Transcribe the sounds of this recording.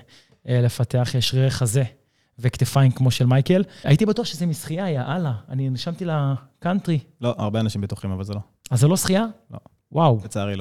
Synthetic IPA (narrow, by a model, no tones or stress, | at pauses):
ele̞fat̪e̞aχjeʃʁeeχaze̞ | vekt̪efajinkmo̞ʃelmajke̞la̰it̪ibat̪uaχʃezemisχijaːjaʔalaːniniʃamt̪ila | kantʁilo̞a̰ʁbeanaʃimbet̪uχimavalzelo̞ | azelo̞sχijalo̰ | wʔawt͡saaʁilo